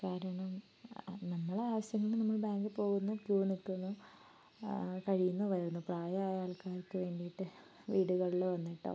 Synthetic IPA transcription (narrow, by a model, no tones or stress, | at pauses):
kaːɾɐɳɐm | nɐŋːɐɭeaːʋɐɕjɐŋːɐɭnɐmːɐɭbaːŋɡɨpo̞ːɣunːukjuːnikːunːu | kɐɻijunːɐʋɐɾɾunːupraːjɐaːjaːlkaːrkːɨʋe̞ːɳɖijiʈːɨ | ʋiːɽuɣɐɭiɭeʋɐnːiʈːo̰